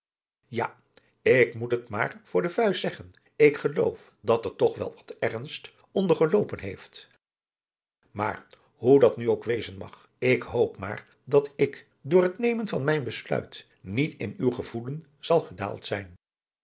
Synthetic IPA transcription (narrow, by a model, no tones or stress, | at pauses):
ja | ɪkmutətma̰ːɹv̥ʊːɹdəvœɥssɛχən | ɪkχəlo̰wf | dɑtɛɹtɔχʋɛ̰lˠʋɑ̥tɛrnst | ɔndəɹχəlowpənɦḛjft | ma̰ːr | ɦudɑtnyowkʋejzənmɑ̰χ | ɪkɦowpma̰ːr | dɑtɪk | dʊːɹɦətnejmənvɑnmɛjnbəslœ̰ɥt | nitɪ̰nywχəv̥ulən | z̥ɑlˠχəda̰ːlˠtsɛjn